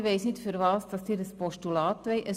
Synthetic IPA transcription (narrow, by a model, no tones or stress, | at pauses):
ʋɛɪsnɪtfyɾʋɑːsd̥ɑsd̥iːɾəspɔʃtulɑːt̪ʋɛɪʔə